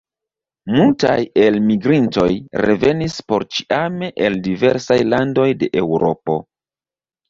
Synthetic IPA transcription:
multaje̞lmiɡɾinto̞jɾḛve̞nispo̞ɾt͡ʃi̥ʔameʔeldive̞ɾsajlando̞jde̞ʔe̞wɾo̞̰po̞̰

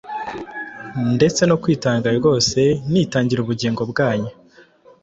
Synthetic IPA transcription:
nde̞t͡se̞no̞kwiːtaːŋɡaɾɡo̞ːse̞nitaːɲɟiɾuβuɟiːŋɡo̞bɡaːɲa

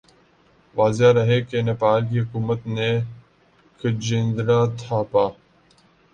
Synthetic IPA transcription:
ʋaːzeaɾəɦeːkenepaːlkiːɦʊkuːmət̪neː | kʰəd͡ʒɪ̃nd̪ɾaːt̪ʰaːpaː

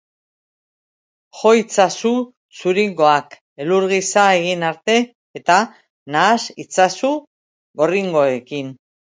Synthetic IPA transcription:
xo̞it͡sasu | suɾiŋɡo̞ak | e̞luɾɣisae̞ɣ̞inaɾt̪e̞ː | t̪a | naːsit͡sasu | ɣo̞riŋɡo̞e̞kin

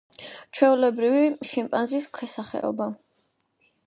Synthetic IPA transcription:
t͡ʃʰwɛulɛbɾiviʃimpʼanziskʰwɛsaχɛ̰ɔ̰ba

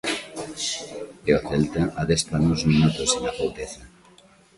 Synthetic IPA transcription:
eoθelt̪aʔaðespanozminut̪osenapowt̪eθa

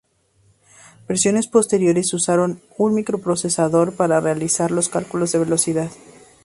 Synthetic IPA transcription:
be̞ɾsjo̞ne̞spo̞st̪e̞ɾjo̞ɾe̞susaɾo̞n | unmikɾo̞pɾo̞se̞saðo̞ɾpaɾarealisaɾlo̞skalkulo̞zðe̞βe̞lo̞siðað

